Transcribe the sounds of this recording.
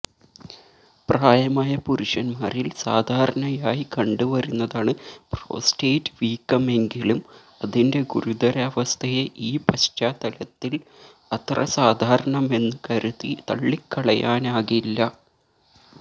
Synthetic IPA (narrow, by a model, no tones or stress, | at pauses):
praːjɐmaːjɐpuɾuʂɐnmaːrilsaːd̪ʱaːɾɐɳɐjaːjikɐɳɖuʋɐɾunːɐðaːɳɨpro̞̰ːsteːtːɨʋiːkːɐme̞ŋɡilum | ɐðinde̞ɡuɾud̪ɐɾɐːʋɐst̪ʰɐjeʔiːpɐɕtaːt̪ɐlɐt̪ːil | ɐt̪rɐ̰saːd̪ʱaːɾɐɳɐme̞nːɨkɐɾuðit̪ɐ̰ɭːikːɐɭɐjaːnaːɣilːɐ